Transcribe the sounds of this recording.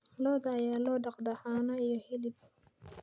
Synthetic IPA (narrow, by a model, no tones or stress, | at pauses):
lɔːd̪ɐːjaːlɔːɖɑqd̪ɐħaːnɐijɔhɛlɪb